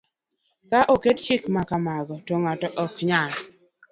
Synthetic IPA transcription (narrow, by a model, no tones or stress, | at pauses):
kaʔokett͡ʃɪkmakamaɡɔtɔŋatɔʔɔkɲal